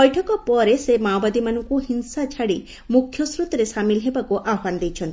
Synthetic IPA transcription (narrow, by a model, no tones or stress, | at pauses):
ɔjʈʰɔkɔpɔɾesemawbad̪imanɔŋkuɦinsat͡ʃʰaɽi | mukʰjɔsɾut̪ɔɾesamilɔɦebakuʔaband̪ejt͡ʃʰɔnt̪i